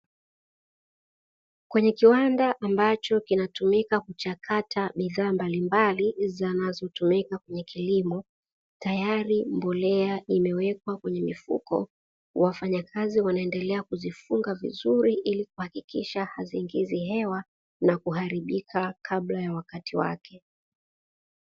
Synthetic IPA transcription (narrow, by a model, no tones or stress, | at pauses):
kwɛɲɛkiwandaʔambat͡ʃɔkinatumikakut͡ʃakʰatʰaɓiðaːmbalimbalizanazɔtumikakwɛɲɛkʰilimɔ | tajaɾimbɔlɛaimɛwɛkwakwɛɲɛmifṵkɔ̰ | wafaɲakʰaziwanaɛndɛlɛakuzifuŋɡavḭzuɾiʔilikuhakikiʃahaziːŋɡiziɦɛwa | nakuɦaɾiɓikʰakʰaɓlajawakatiwa̰kʰɛ